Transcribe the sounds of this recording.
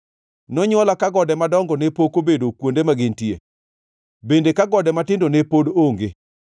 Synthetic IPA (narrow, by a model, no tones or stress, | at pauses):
nɔɲɔlakaɡɔdɛmadɔŋɡɔnepokobedokwondemaɡɪntiḛ | bendekaɡɔdɛmatɪndonepodoŋɡe